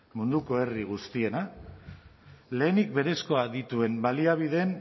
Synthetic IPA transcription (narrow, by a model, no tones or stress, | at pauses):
mund̪uko̞e̞riɣ̞ust̪ie̞na | le̞ːnik̚be̞ɾe̞sko̞aðit̪ue̞mbaliaβ̞iðe̞n